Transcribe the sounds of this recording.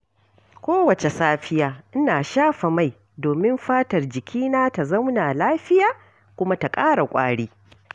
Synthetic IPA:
kʷoː˦wɐ˨t͡ʃe˨saː˦ɸɪ˦jaː˦ʔɪ˦naː˨ʃaː˦ɸa˨ma˦j | doː˨mɪ˦mɸaː˦tɐ˨rd͡ʒɪ˨kʲʰiː˦naː˦ta˨zɐ˦wnaː˨laː˦ɸɪ˦jaː˨ | kʷʊ˦ma˦ta˨kʼaː˦ɽa˨kʷʼa̰ː˦ɽiː˦

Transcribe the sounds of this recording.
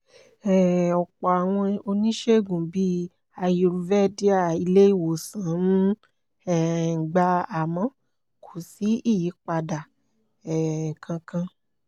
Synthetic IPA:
ɛ˦˨ɔ˨k͡pɔ˨a˨w̃ɔ̃˧o˧nĩ˦ʃe˦˨ɡũ˨bi˦ | a˧jo˧˨ɾu˧vɛ˦˨di˦a˦˨i˧le˦i˦˨wo˨sã˨˦nũ˦ | ɛ˦˨ŋ̩˨ɡ͡ba˧˦a˨mɔ̃˦ | kʰo˨si˨˦i˦˨ji˨˦k͡pa˧da˨ | ɛ˨kʰã˧kã˧

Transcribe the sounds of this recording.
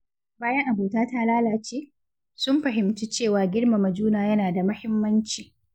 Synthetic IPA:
baː˦jɐ˦ŋʔa˨boː˨taː˦ta˦laː˦laː˨t͡ʃeː˦ | sʊ˦mɸɐ˨ɦɪ˨mtuː˦t͡ʃeː˦˨waː˨ɡʲɪ˦ɽma˨mɐ˨d͡ʒuː˦naː˨jɐ˦naː˨da˨mɐ˦hɪ˦mːɐ˦nt͡ʃiː˨

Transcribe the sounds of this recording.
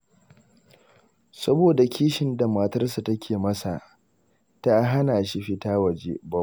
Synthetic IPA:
sɐ˦boː˨da˨kʲʰiː˦ʃɪ˨˦nda˨maː˨tɐ˦rs̬a˨tɐ˦kʲʰeː˨mɐ˦sa˨ | ta˦ɦa˦naː˨ʃi˦ɸɪ˦taː˦wɐ˨d͡ʒḛ˦bɐ˦

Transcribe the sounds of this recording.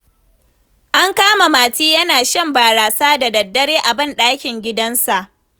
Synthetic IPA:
ʔa˦ŋkaː˦ma˨maː˨tiː˦jɐ˦naː˨ʃɐ˦mbaː˨ɾaː˨saː˦da˨dɐ˨dːɐ˦ɽeː˦ʔa˨bɪ˦nɗaː˦kʲɪ˨ŋɡʲɪ˦dɐ˦nsa˨ʔ

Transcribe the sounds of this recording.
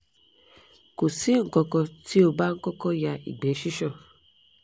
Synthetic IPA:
ku˨si˦ŋ̩˨kɔ˦kɔ˦ti˦o˨ba˦ŋ̩˦kɔ˦kɔ˦ja˨ʔḭ˨ɡ͡be˨˦ʃi˦ʃɔ˦˨

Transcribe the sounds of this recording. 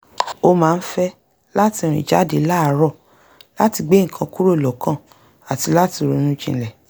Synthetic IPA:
o˧mãː˨˦˧n̩˦fɛ˦ | la˦ti˧˨ɾ̃ḭ̃˨d͡ʒa˨˦de˨˦la˦a˧˦ɾɔ˦˨ | la˦ti˧ɡ͡be˦ŋ̩˨kʰã˧ku˦ɾo˦˨lɔ˨kã˦˨ | a˨ti˧la˦ti˧˨ɾo˨˧˦nũ˦d͡ʒḭ̃˧˦lɛ˨

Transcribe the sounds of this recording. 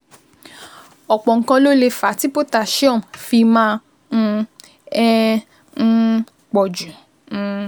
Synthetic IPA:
ɔ˨k͡pɔ˨ŋ̩˨˧kã˧lo˦le˧fa˨˦ti˦po˦ta˧˨ʃɔ̃˦˨mfi˧mã˦˧ | ɛ̃˦˧ | k͡pɔ˨d͡ʒũ˨˦˧

